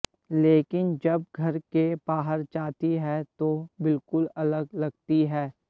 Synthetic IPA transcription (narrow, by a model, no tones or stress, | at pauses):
leːkɪnd͡ʒɐb̚ɡʱɐɾkebaːɦəɾt͡ʃaːt̪iɦɛt̪obɪlkʊlɐləɡlɐɡ̚t̪iɦɛː